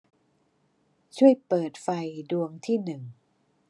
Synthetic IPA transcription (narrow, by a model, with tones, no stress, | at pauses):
t͡ɕʰu˥˩əjpɤː˨˩t̪̚fa˧jdu˧əŋt̪ʰiː˥˩nɯ˨˩ŋ